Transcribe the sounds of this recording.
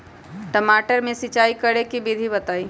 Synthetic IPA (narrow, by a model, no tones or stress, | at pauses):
ʈəmaːʈəɾmẽsɪt͡ʃaːikəɽekibɪd̪ʱibɐt̪aːi